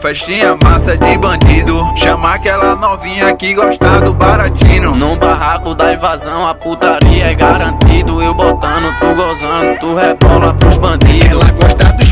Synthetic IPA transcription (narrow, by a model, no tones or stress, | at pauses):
fɛʃtĩɲɐmasɐd͡ʒɪbɐ̃d̪id̪ʊʃɐ̃makɛlɐnɔvĩɲɐakiɡoʃt̪ad̪ʊbaɾãt͡ʃĩnʊnũbaɦakʊd̪aĩvazɐ̃w̃ɐput̪aɾiɐɛɡaɾɐ̃t̪id̪ʊewbɔt̪ɐ̃d̪ʊt̪uɡɔzɐ̃d̪ʊt̪uhɛbɔlʊat̪uzbɐ̃d̪iaɡɔʃt̪ãd̪ʊ